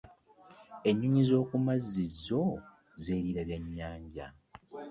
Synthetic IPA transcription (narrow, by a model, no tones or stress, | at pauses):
e̞ɲːuɲizo̞ːkumazːizːo̞ | zeːɾiɾaβjaɲːaːɲɟa̰